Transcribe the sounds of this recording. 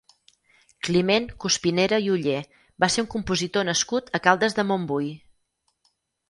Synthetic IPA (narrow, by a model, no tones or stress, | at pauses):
klimeŋkuspineɾəiuʎe | baseɾuŋkumpuzit̪onəskut̪əkalˠd̪əzðəmombuj